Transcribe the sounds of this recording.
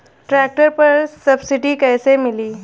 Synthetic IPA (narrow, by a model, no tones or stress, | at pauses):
ʈɾæk̚ʈəɾpəɾsəbsiɖiːkɛjsemiliː